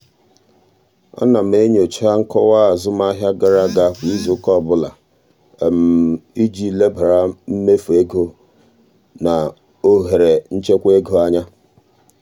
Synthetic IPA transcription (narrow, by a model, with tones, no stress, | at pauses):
ɔ̰˦na˨m̩˨e˦ɲ˦o˨t͡ʃa˦ŋ̩˦kɔ˦wa˦a˨zʊ˦m˦a˦ɦja˦ɡa˨ɾa˦ɡa˨˦˨kʷi˦zu˨˦kɔ˦˨bʊ˦la̰˨ | e˨m̩˨i˦d͡ʒi˦˨le˦ba˨ɾa˦m̩˦me˦fe˦ɡo˦ | na˨ | o˦ɦe˨ɾe˨n̩˦t͡ʃe˦kʷe˦ɡo˨a˦ɲa˦